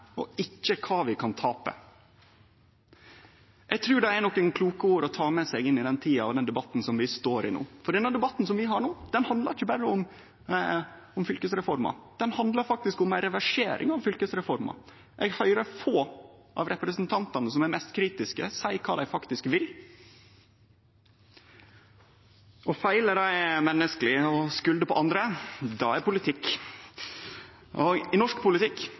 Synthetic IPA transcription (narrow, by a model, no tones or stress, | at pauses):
ɔ̰ɪçːəkʰɑːʋɪkʰɑnt̪ʰɑːpə̰ | ʔɛɡ̚t̪ʰɾʉːɖɛænɔkːɛŋkʰluːkəoːɾɔt̪ʰɑːmɛsɛɡɪnːɪd̪ɛnt̪ʰiːɑɑ̰ʋd̪ɛnd̪ɛbɑt̪ːn̩sɔmʋɪst̪oːɾɪ̰nṵːfɔɖɛd̪ɛnd̪ɛbɑt̪ːn̩sɔmʋɪɦɑɾɳoːd̪̥ɛnhɑnd̪lɑ̰ɾɪçːəbæɾːəʊm | ʊmfʏlkəsɾɛfɔɾmɑ̰d̪̥ɛnhɑnd̪lɑɾfɑk̚t̪ɪskʊmæɾɛʋæʂḛːɾʔɪ̰ŋɑʋfʏlkəsɾɛfɔɾmɑ̰ | ʔɛɡhœʏɾəɾfoːʔɑ̰ʋɾɛpɾəsnt̪ʰɑnt̪ɑnəsɔmæɾmɛst̪kʰɾiːt̪ɪskə̰sæɪkʰɑːd̪æɪfɑkt̪ɪskʋɪl | ɔfæɪləɾæɪmɛnːəskəlɪɔskʉld̪əpʰɔʔɑnd̪ɾəd̪ɑ̰æɾpʊlɪt̪ʰɪkː | ɔɪnɔʂkpʰʊlɪt̪ɪkː